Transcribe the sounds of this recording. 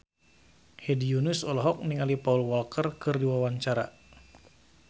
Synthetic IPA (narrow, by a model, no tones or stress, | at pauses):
hɛdijunusɔlɔɦɔk̚niŋalipaulwɔlkərkɨrdiwawaɲt͡ʃaɾa̰